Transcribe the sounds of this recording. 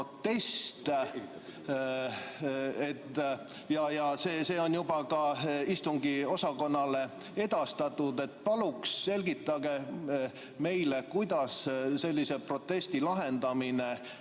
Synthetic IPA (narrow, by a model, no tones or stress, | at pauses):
ot̪ːe̞st̪ | et̪ː | jɑjɑse̞ːse̞ːo̞njubɑkɑist̪uŋɡio̞sɑko̞nːɑle̞ | e̞d̪̥ɑst̪ɑt̪ːˑud̪e̞t̪ːpɑluksːe̞lɡit̪ːˑɑɡ̥e̞ | me̞jle̞kujd̪ɑsse̞lʲːise̞pro̞t̪ːˑe̞st̪ilɑɦe̞nd̪ɑmine̞